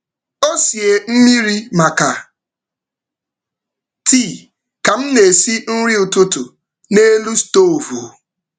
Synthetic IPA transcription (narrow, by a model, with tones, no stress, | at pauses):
o˦si˨e˨m̩˦mi˦ɾi˦ma˨ka˨ | ti˦˨ | ka˨m̩˦ne˨si˦n̩˦ɾi˦ʊ˨tʊ˦tʊ˨ | ne˦lu˦sto˦˨o˨vu˨